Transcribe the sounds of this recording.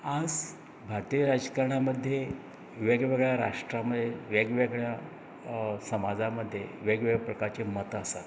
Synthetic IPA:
ad͡z | bʱaɾt̪iəɾad͡zkaɾɳ̃aməd̪ʱːje | ʋeɡʋeɡɭjaɾa̰ʂʈɾaməd̪ʱjeʋeɡʋeɡɭja | səmad͡zaməd̪ʱːjeʋeɡʋeɡpɾəkaɾt͡ɕemət̪əsat̪

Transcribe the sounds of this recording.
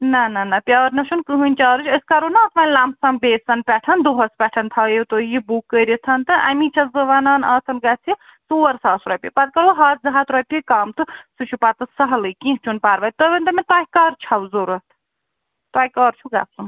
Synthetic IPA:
nɐnɐnɐpʲjaːɾnɐʃʰunkɨɦɨnʲt͡ʃaːɾɨt͡ʃʰəskaɾunɐːt̪ʰʋaːnʲlaːmsɐmbeːsɐnpʲɛʈʰɐnd̪oɦɐspʲɛʈʰɐnt̪ʰɐjit̪ojibukːəːɾit̪ʰɐnt̪ɨʔɐ̰mit͡ʃʰɐzɐʋaːnɐːnɐːt̪ʰɐnɡɐt͡sʰi | suːɐɾsaːsɾɐːpʲipɐt̪̚kɐɾɐɦaːt̪̚zɐɦat̪ɾɐːpʲikaːmt̪ɨsut͡ʃʰupaːt̪ɨsɐɦlɨkĩɦt͡ʃʰunpaːɾʋɐːt̪t̪obʲɐnt̪ɐmʲet̪aːjikɐːɾt͡ʃʰɐwzoɾɐt̪ʰ | t̪aːkɐːɾt͡ʃʰuɡa̰ːsun

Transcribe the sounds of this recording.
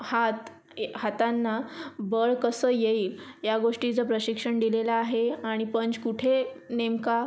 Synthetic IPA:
hat̪ | hat̪ãnːabəɭkəsəːjeiːljaɡoʂʈit͡səpɾəɕikʂəɳɖ̪ilelaːɦeaɽ̃ipənd͡ʑkuʈʰe | nemka

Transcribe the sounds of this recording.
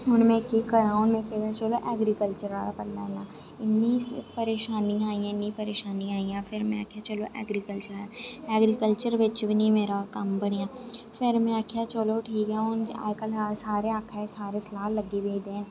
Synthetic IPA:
ʊnmẽkekɐɾãʊnmẽkʰet͡ʃoloʔɛːɡɾikəlt͡ʃəɾaːɾapɐlnanaː | ɪnːispɐɾeːʃaːniaːĩjãɪnːĩpɐɾeːʃaːniaːijãfɪɾmẽa̰kʰjat͡ʃɐloʔɛ̰ːɡɾikəlt͡ʃəɾaːjaɛːɡɾikəlt͡ʃəɾʋɪt͡ʃʋɪnimeːɾakambəɽjãː | fɪɾmẽakʰjat͡ʃoloʈʰiːkɛʊna̰ːjkəlasaːɾeaːkʰasaːɾeslaːlːɐɡebeːd̪ẽː

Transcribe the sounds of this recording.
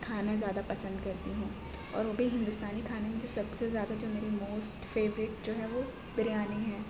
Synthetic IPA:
kʰaːnazjaːd̪apɐsə̃nd̪kɐɾt̪iɦũː | ɔ̰ːɾʋoːbʱiɦɪ̃nd̪ust̪aːnikʰaːnemẽd͡ʒosɐbsezjaːd̪ad͡ʒoːmeːɾimoːsʈfeːʋɾɪʈd͡ʒoːɦɛʋo | bɪɾijaːniɦɛː

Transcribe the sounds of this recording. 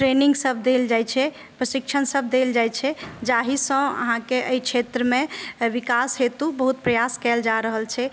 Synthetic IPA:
ʈɾeniŋɡsəb̚d̪eld͡ʒajt͡ʃʰɛ | pɾəsikt͡ʃʰənsəb̚d̪eld͡ʒajt͡ʃʰɛd͡ʒaɦisə̃ə̰ɦãkeʔəikt͡ʃʰet̪ɾəmeʋikasɦet̪ubəɦut̪̚pɾəjaskɛld͡ʒaɾəɦəlt͡ʃʰɛ

